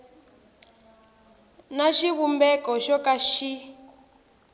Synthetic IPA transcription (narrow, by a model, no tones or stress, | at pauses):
naʃiβumbɛkɔʃɔkaʃi